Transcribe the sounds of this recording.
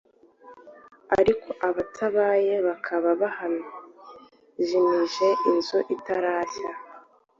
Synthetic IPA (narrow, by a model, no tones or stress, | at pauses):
a̰ɾikʰo̞ʔaβatʰaβaje̞βakʰaβaβahano | ʒimiʒe̞ʔinzoʔitaɾaːsa